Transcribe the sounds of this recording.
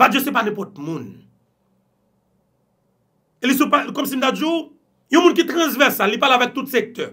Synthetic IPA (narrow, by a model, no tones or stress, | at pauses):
vad͡ʒjøsɛpanɛ̃pɔt̪̚mũn | elisũpakɔmsim̩t̪ad͡ʒu | jũmũnkit̪ʁɐ̃zvɛsalːipaleavɛk̚t̪ut̪sek̚t̪œ